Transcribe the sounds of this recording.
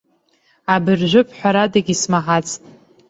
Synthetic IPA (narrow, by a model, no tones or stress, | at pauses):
abɨrʒʷʊpʰħʷᶣaɾadaɡʲismaħat͡sʰʼtʼ